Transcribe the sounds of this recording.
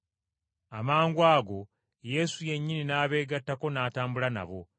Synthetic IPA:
amaːŋɡwaːɡo̞ | je̞ːsuje̞ɲːininaːβe̞ːɡatːako̞naːtaːmbulana̰βo

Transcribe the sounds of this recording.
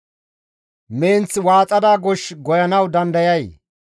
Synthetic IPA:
meːnt͡swaːt͡sʼɐd̪aːɡɔʃɡɔjɐnɐwd̪ɐnd̪ɐjɐj

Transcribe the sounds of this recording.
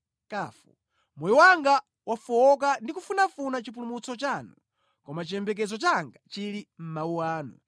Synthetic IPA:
kaːfṵ | mɔjɔwaŋɡa | wafuɔk̬andikufunafunat͡ʃip̬ulumut͡sɔt͡ʃanu | kɔmat͡ʃiɛmbɛk̬ɛzɔt͡ʃaŋɡat͡ʃilim̩mauwaːnṵ

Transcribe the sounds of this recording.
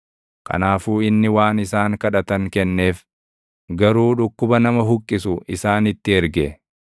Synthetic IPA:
kɐ̰naːfuːɪnːɪwaːnɪsaːŋkɐᶑɐt̪ɐŋkɛnːe̞ːf | ɡɐɾuːᶑʊkːʊbɐnɐmɐɦʊkʼːɪsʊʔɪsaːnɪt̪ːɪɛɾɡɛ

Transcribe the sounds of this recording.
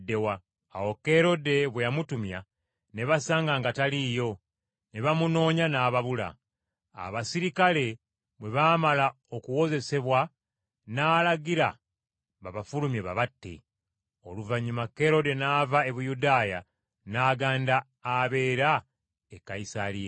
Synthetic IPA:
dːe̞wa̰ː | wo̞ke̞ɾo̞de̞βwejamutumja | ne̞βasaːŋɡaŋɡataliːjo̞ | ne̞βamuno̞ːɲanaːβaβula̰ː | βasiɾikale̞ | βwe̞βaːmala | okuwo̞ze̞se̞βwa | naːlaɡiɾa | βaβafulumjeβa̰βatːḛ | o̞luvaɲːumakːe̞ɾo̞de̞naːvae̞βujudaːja | naːɡaːndaː | βe̞ːɾa | ekːaisalije

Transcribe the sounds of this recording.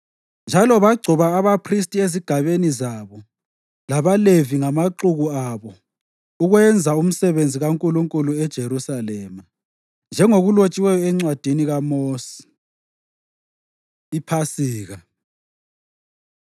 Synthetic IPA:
nd͡ʒʱalɔβaɡ͡ǀʱuβaːβapʰristʼieziɡ̥ʱaβenizaβɔ | laβaleviŋamaǃuɣuaβɔ | uɣwɛnd͡zʱaum̩sɛβend͡zʱiɣaŋkʼuluŋkʼuluɛd̥ʒ̥ʱerusalɛːma | nd͡ʒʱɛŋoɣulot͡ʃʼiwɛjɔɛŋ͡ǀwad̥ʱiniɣamoːsi̥ | ipʰasiːɣa

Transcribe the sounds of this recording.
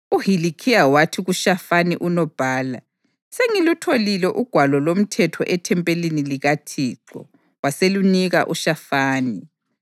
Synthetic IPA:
uɦilikʰiawatʰiɣuʃafaniʔunɔb̥ʱaːla | seŋilutʰolilɛʔuɡ̥ʱwalɔlom̩tʰɛtʰɔ̰ʔɛtʰɛmpʼeliniliɣatʰiːǀɔ̰ | waseluniɣa̰ʔuʃafaːni

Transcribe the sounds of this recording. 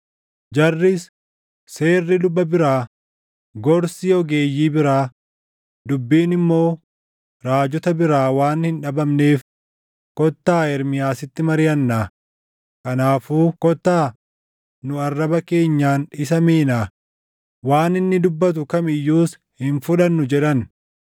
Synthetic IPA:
d͡ʒɐrːɪs | se̞ːrːɪd̪ʊbːɐbɪɾaː | ɡɔɾsiɔɡe̞ːjːiːbɪɾaː | d̪ʊbːiːnɪmːo̞ː | ɾaːd͡ʒɔt̪ɐbɪɾaːwaːnhɪnᶑɐbɐmneːf | kɔt̪ːaːɛɾmɪjaːsɪt̪ːɪmɐɾɪjɐnːaː | kɐnaːfuːkɔt̪ːaː | nʊɐrːɐbɐke̞ːɲːaːnɪs̬ɐmeːnaː | waːnɪnːɪd̪ʊbːɐt̪̬ʊkɐmɪjːuːs | hɪnfʊᶑɐnːʊd͡ʒɛᶑɐn

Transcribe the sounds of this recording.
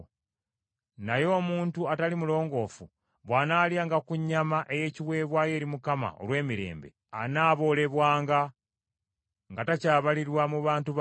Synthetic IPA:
najo̞ːmuːntuatalimulo̞ːŋɡo̞ːfu | βwaːnaːljaːŋɡakuɲːamaʔe̞je̞ːciβwe̞ːβwaːje̞ːɾimukama̰o̰lwe̞ːmiɾe̞̰ːmbe̞̰ | a̰naːβo̞ːle̞βwaːŋɡa | ŋɡatacaːβaliɾwamuβaːntuβ

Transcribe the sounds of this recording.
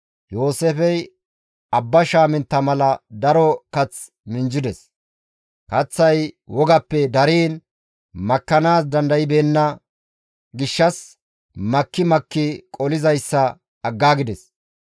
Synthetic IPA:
jo̞ːsefɛj | ɐbːɐʃaːmɪnt̪ːɐmɐlɐd̪ɐɾɔkɐt͡s | mɪnd͡ʒɪd̪ɛs | kɐt͡sːɐjwɔɡɐpːɛd̪ɐɾiːn | mɐkːɐnaːsd̪ɐnd̪ɐjɪbeːnːɐ | ɡɪʃːɐs | mɐkːɪmɐkːɪkʼɔlɪzɐjsːɐː | ɡːaːɡɪd̪ɛs

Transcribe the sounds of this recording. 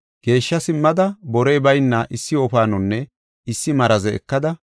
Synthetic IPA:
ɡ̥e̞ːʃːɐsɪmːɐd̪ɐbɔɾejbɐjnːɐʔɪsːɪɔpaːnɔnːɛ | ɪsːɪmɐɾɐzɛɛ̰kːɐd̪ɐ

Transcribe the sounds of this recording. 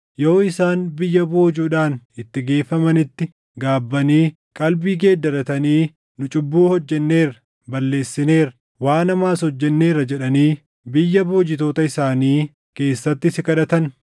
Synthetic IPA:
jo̞ːɪsaːnbɪjːɐboːd͡ʒuːᶑaːnɪt̪ːɪɡe̞ːfːɐmɐnɪt̪ːɪ | ɡaːbːɐniː | kʼɐlbiːɡe̞ːd̪ːɐɾɐt̪ɐniː | nʊt͡ʃʼʊbːuːhɔd͡ʒːɛnːe̞ːɾɐ | bɐlːe̞ːsːɪne̞ːɾɐ | waːnɐmaːsɔd͡ʒːɛnːe̞ːɾɐd͡ʒɛᶑɐniː | bɪjːɐbo̞ːd͡ʒɪt̪o̞ːt̪ɐɪsaːniː | ke̞ːsːɐt̪ːɪsɪkɐᶑɐt̪ɐn

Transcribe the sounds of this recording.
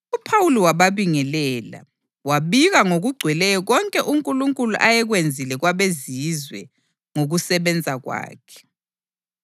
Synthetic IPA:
upʰawuliwaβaβiŋɛlɛːla̰ | waɓiɣaŋoɣuɡ͡ǀʱwɛlɛjɔɣɔŋkʼɛʔuŋkʼuluŋkʼulṵʔajɛɣ̬wend͡zʱilɛɣwaβezizwɛ̰ | ŋoɣusɛβɛnd͡zʱaɣwa̰ːkʰɛ̥

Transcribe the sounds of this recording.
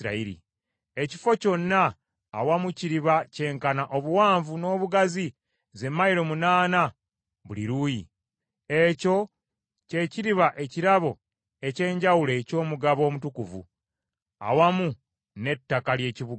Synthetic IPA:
ɾa̰iɾḭ | e̞ci̥fo̞co̞nːaː | wamuciɾiβace̞ːŋkanaʔo̞βuwaːɱvuno̞ːβuɡazi | ze̞mːajiɾo̞munaːna | βulḭɾuji | e̞co̞ | ce̞ciɾiβaʔe̞ciɾaβo̞ | e̞ce̞ːɲɟawule̞ːco̞ːmuɡaβo̞ːmutukuvṵ | a̰wamu | ne̞tːakalje̞ːciβuɡ

